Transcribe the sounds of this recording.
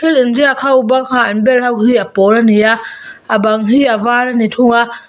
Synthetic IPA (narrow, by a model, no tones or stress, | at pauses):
kʰelɯnd͡ʒiakʰawubaŋhaanbelhawkhiapolanijaabaŋɦiavaːlanitʰuŋa